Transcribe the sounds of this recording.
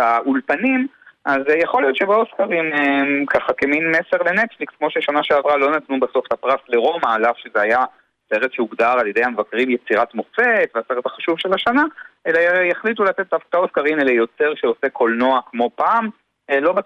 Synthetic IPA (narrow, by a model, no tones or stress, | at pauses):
aulpanimʔazjaχo̞lijo̞t̪ʃebeoskaʁimekaχakeminmeseʁle̞netflikskmo̞ʃeʃanaʃeavʁalo̞nat̪nubaso̞ftapʁasle̞ʁo̞maːlafʃezeaja | se̞ʁet̪ʃeuɡd̪aʁaljede̞jhamevakʁimjet͡siʁat̪mo̞fe̞t̪veaseʁethaχaʃuvʃelaʃanaelajaχlit̬ulat̪et̚d̪afkaoskaʁimelejo̞t͡se̞ʁʃeo̞se̞kʰo̞lno̞akmo̞paːm | elo̞ba